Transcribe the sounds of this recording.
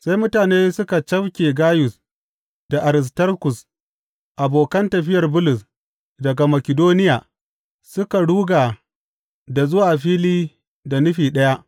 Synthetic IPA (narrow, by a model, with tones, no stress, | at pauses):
sa˦jmʊ˦taː˨neː˦sʊ˦ka˨t͡ʃɐ˦wkʲeː˨ɡaː˦jʊ˨s | d̥a˨ʔa˨ɾɪ˨s̬tɐ˦rkʊ˨s | ʔa˨boː˨kɐ˦ntɐ˨ɸɪ˦jɐ˨rbʊ˦lʊ˨s | dɐ˨ɡa˨mɐ˨kʲɪ˨doː˦nɪ˦jaː˨ | sʊ˦ka˨ɽuː˦ɡa˨ | da˨zʊ˦waː˨ɸiː˦liː˦ | da˨nʊ˦ɸiː˨ɗɐ˦ja˦ʔ